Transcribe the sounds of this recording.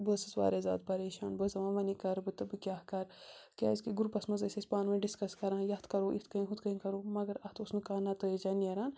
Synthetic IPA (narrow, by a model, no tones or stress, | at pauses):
bəsɨsʋa̰ːɾeza̰ːd̪̚pɐɾeːʃa̰ːnbəzɐʋãːnʋɐnikɐɾbɨt̪ɨbɨkʲaːhkɐɾkʲa̰ːiskiɡuɾpɐsmɐzɐsʲɐsʲpaːnmɐ̃ɖiskɐskɐɾãːjɐht̪kɐɾoːʔit̪ʰkɐĩɦut̪kɐikɐɾoːmɐɡɐɾɐht̪ʰusnɨkaːnɐt̪əjed͡ʒɐːnijɐɾaːn